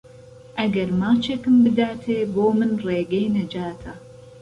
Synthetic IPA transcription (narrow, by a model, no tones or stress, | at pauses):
ʔɐɡɐɾmaːt͡ʃeːkɨmbɨd̪aːt̪ʰeːboːmɨnreːɡɐjnɐd͡ʒaːt̪ʰɐ